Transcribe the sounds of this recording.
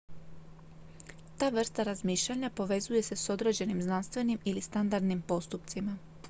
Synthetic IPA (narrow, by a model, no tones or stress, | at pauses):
t̪aːʋr̩st̪aɾazmiːʃʎaɲapo̞ʋe̞zuje̞se̞so̞d̪ɾe̞d͡ʑe̞nimznanst̪ʋe̞nimilist̪and̪aɾd̪nimpo̞st̪upt̪sima